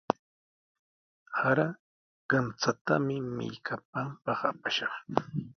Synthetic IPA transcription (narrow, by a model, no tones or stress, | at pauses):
haɾa | ɢ̥ɑnt͡sat̪amɪmɪ̰ʎkʰap̚ampɑχapaʃɑχ